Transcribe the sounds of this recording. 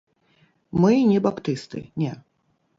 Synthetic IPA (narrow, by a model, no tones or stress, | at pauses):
mɨnʲɛbapt̪ɨst̪ɨ̰nʲɛ